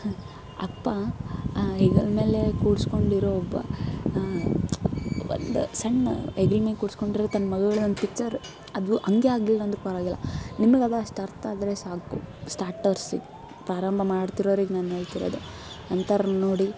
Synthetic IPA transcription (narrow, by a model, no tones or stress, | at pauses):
ɐ̰pːa | ɦiːɡɐlme̞ːlekuːɽsko̞ɳɖiɾoːɔbːɐ̰ | ʋo̰nd̪ṵsɐɳeɡlɐmikuːɽsko̞ɳɖiɾɾt̪ɐnːɐmɐɡuɡɐɭeond̪pikt͡ʃɐɾ | ɐd̪uʔɐŋɡeaːɡlilːɐnd̪ɾupɐɾaːɡilːɐ̰nimɐɡɐd̪ɐɐʂʈɐɾt̪aːd̪ɾesaːkṵsʈaːɾʈɐɾsɡ | pɾaːɾɐmbʱɐmaːɖt̪iɾoːɾiːɡenaːnɦe̞ːɭt̪iɾo̰d̪u | ɐnt̪ɐɾɐnoːɽi